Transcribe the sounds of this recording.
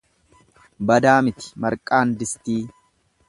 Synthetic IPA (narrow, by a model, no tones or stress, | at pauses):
bɐd̪aːmɪt̪ɪ̥mɐɾkʼaːnd̪ɪst̪iː